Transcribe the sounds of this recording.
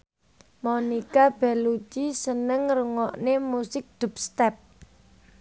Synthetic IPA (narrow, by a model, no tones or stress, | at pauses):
monikab̥ɛ̤lut͡ʃisənəŋruŋɔʔnemusɪk̚d̪̥ṳp̚st̪ɛp̚